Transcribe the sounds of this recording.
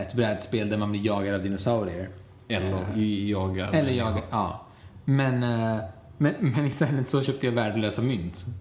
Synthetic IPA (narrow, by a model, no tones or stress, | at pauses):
ɛt̪bɾɛːd̪speːld̪æɾmanblɪːjɑːɡaɾavd̪ɪnʊsaʊɾɪəɾ | ɛlːəɾjɑːɡa̰ɾɛlːəjɑːɡaɑː | mɛn | mɛnmɛnɪst̪ɛlːət̪sɔɕœːp̚t̪əjɑːvæːɖəløːsamʏnt̪